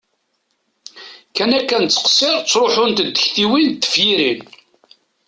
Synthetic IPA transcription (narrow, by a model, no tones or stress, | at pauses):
kænækːænt͡sːə̥qsɪɾˤt͡sːɾˤoħʊnt̪əd̪ːəçθiwint̪ːə̥fjiɾin